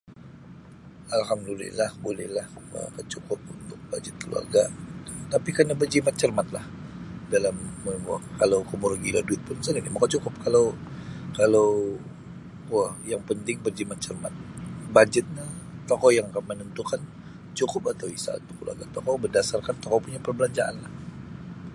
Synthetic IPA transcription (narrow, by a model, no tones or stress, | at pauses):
alɦamdulɛ̰lahbolɛ̰hlahə̰kət͡ʃukʊp̚unt̪ʊk̚ba̰d͡ʒɪt̪̚kʰəlṵa̰rɡat̪apikarnabərd͡ʒimat̪̚t͡ʃərmat̪lahdalamːəmua̰kalawkəmurɡiladuɪt̪̚pʊnsəninimakat͡ʃukʊp̚kalawkalaw | wahjaŋpənt̪ɪŋbərd͡ʒimat̪̚t͡ʃərma̰t̪̚bad͡ʒət̪̚ɲat̪ɔkɔjaŋkamənənt̪ukan | t͡ʃukʊpat̪awisa̰ṵt̪ukːəlua̰rɡat̪ɔkɔbərdasarkant̪ɔkɔpuɲapərbəlaɲd͡ʒaʔa̰nlah